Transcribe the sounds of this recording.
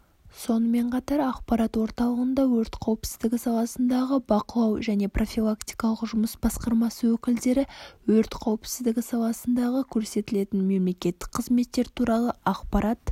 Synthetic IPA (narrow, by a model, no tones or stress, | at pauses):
so̞nəme̞ɴqʰɑt̪ɑɾɑqpɑɾɑt̪wo̞ɾt̪ɑlˠəʁənd̪ɑwɵɾt̪qʰɑwəpsɪzd̪ɪɡʲɪsɑlˠɑsənd̪ɑʁəbɑqəlˠɑwʒæne̞pro̞fʲilˠakt̪ijkɑlˠəqʒʊməsbɑsqɑɾmɑsəwɵkʲɪld̪e̞ɾɪwɵɾt̪qʰɑwəpsɪzd̪ɪɡʲɪsɑlˠɑsənd̪ɑʁəkʲʰɵɾse̞t̪ɪle̞t̪ɪnme̞mle̞kʲe̞t̪ːɪ̥k̚qʰːəzme̞t̪ːe̞ɾt̪ʰuɾɑlˠəɑqpɑɾɑt̪